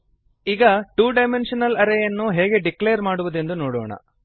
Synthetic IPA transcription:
iːɡɐʈuːɖɐjmenʂɐnɐlɐɾejɐnːuɦɛːɡe̞ɖikleːɐɾmaːɽuʋud̪e̞nd̪unoːɽɔ̰ːɳɐ̰

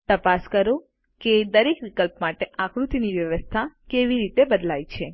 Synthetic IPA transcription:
t̪əpaskəɾo | ked̪əɾekʋikəlpmaʈeakɾut̪iniʋjəʋəst̪ʰakeʋiɾit̪ebəd̪lajt͡ʃʰe

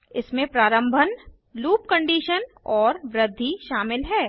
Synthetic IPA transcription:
ɪsmẽpɾaːɾə̃mbʱən | luːp̚kə̃ɳɖiːʃən | ɔːɾʋɾɪd̪ʱːiʃaːmɪlɦɛː

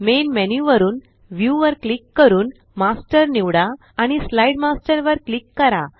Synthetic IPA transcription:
menmɛnjuʋəɾuːn | ʋjuʋəɾklikːəɾuːn | masʈəɾniʋɽaː | ɽ̃islaiɖmasʈəɾʋəɾklikːəɾa

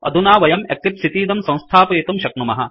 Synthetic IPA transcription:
ɐ̰d̪ʱunaːʋɐjɐmɐ̰kip̪sit̪iːd̪ɐmsɐ̃w̃st̪ʰaːpɐjet̪umʃɐknumɐɦɐ̆

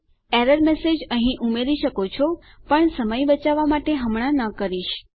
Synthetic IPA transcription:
eɾəɾmesed͡ʒəɦĩʔumeɾiʃəkot͡ʃʰo | pəɳsəməjbət͡ʃaʋamaʈeɦəmɽ̃anəkəɾiʃ

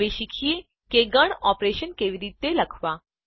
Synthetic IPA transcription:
eʃikʰie | keɡəɽ̃ɔːpɾeːʃənkeːʋiɾiːt̪ːeləkʰʋa

